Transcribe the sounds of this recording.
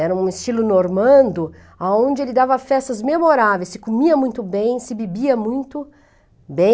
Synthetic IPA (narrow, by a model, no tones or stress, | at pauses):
ɛɾɐũɪst͡ʃilʊnoɾmɐ̃nd̪ʊ | aõd͡ʒɪelɪd̪avɐfɛst̪ɐzmemoɾavejsɪkomiɐmũj̃t̪ʊbẽj̃sɪbebiɐmũj̃t̪ʊ | bẽ